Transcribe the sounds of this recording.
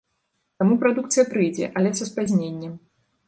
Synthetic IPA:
t̪amupɾad̪uk̚t̪sɨjɐpɾɨjd͡zʲɛ̰ʔɐlʲɛsɐspazʲnʲenʲːɛm

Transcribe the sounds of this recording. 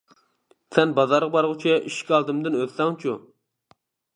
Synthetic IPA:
sɛnbɑzɑɾʁɑbɑɾʁʊt͡ʃʰɛʔiʃkʲɑlˠd̪ɨmd̪ɨnøzsɛŋt͡ʃʰu

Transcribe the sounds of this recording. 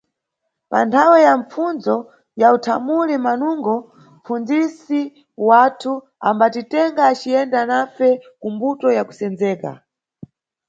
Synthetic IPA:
pa̰ntʰawɛjamp͡funzd͡zɔ | jautʰamulimanuŋɡɔ | mp͡fund͡zisi | watʰu | ambatitɛŋɡaːt͡ʃijɛndanafɛkumbutɔjaku̥sɛnd͡zɛːka̰

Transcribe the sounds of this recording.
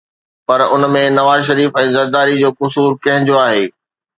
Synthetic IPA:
pɐɾʊnmẽnɐʋaːzʃɐɾiːfɛ̃ːzɐɾd̪aːɾid͡ʑoːkʊs̬uːɾkɐ̃ɦɪ̃ɲd͡ʑoaːɦeː

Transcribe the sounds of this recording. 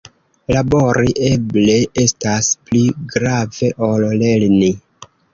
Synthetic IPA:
labo̞ɾiʔeble̞e̞staspliɡɾave̞ʔolle̞lni

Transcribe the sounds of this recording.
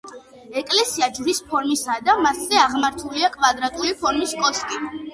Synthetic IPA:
ɛkʼlɛsiad͡ʒvɾispʰɔɾmisad̪amaszɛaʁmaɾt̪ʰuliakʼvad̪ɾat̪ʼulipʰɔɾmiskʼɔskʼi

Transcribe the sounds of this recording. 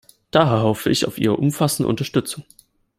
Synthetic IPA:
d̥aːɦɛːɐɦɔfəʔɪçaʊfʔiːʁ̞ə̰ʔʊmfasn̩də̰ʔʊ̰ntɐʃtʏt͡sʊŋ

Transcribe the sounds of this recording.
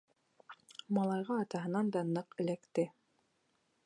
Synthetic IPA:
mɑlˠɑjʁɑːt̪ɑɦɤ̆nɑnd̪ɑnɤqɘ̆lækt̪ɘ

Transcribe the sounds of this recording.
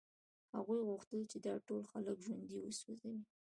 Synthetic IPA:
ha̰ɣujɣʊxt̪əlt͡ʃed̪ɑʈolxaləkʒwand̪iwəswozawi

